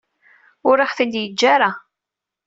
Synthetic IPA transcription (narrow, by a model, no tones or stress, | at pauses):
ʊɾiħθind̪jəd͡ʒːaɾa